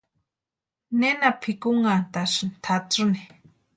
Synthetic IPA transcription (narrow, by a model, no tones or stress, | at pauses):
nenapʰikʊŋant̪aʂnt̪ʰat͡sʊni